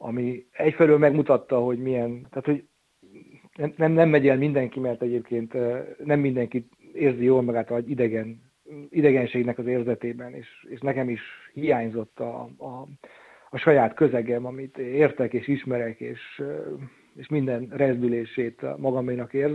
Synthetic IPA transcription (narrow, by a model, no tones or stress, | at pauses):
ɒ̰miɛcfɛlylmɛɡmut̪ɒt̪ːɒɦo̞ɟmijɛnt̪aːt̪ho̞ɟ | nɛmnɛmnɛmːɛɟɛlmind̪ɛŋkimɛrt̪ɛɟeːp̚keːnt̪nɛmːind̪ɛŋkit̪ | eːrzijoːlmɒɡaːt̪ɒid̪ɛɡɛn | id̪ɛɡɛnʃeːɡnɛkɒzeːrzɛt̪eːbɛnḛːʃeːʃnɛkɛmiʃhijaːɲzo̞t̪ːɒ̰ː | ɒʃɒjaːt̪køzɛɡɛmɒmit̪eːrt̪ɛkeːʃiʃmɛɾɛkḛːʃ | eːʃmind̪ɛnrɛzd̪yleːʃeːt̪mɒɡɒminɒkeːrz